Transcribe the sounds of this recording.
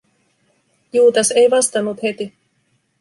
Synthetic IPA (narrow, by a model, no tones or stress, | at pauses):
juːt̪ɑse̞jʋɑst̪ɑnːut̪he̞t̪i